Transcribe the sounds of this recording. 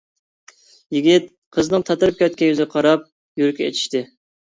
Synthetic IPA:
jiɡʲit̪̚ | qʰəznɨŋt̪ʰɑt̪ɨɾɨp̚kʲɛt̪̚kʲɛyzqʰɑɾɑp̚ | jyɾɪkʲɛḛt̪ʰi̥ʃt̪ɪ

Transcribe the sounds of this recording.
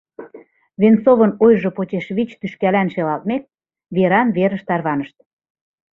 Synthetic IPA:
βent͡soβɤ̆nojʒŏpot͡ɕeʃβit͡ɕt̪yʃkælænʃelɑlt̪̚mek̚ | βeɾɑnβeɾə̆ʃt̪ɑrβɑnəʃt̪̚

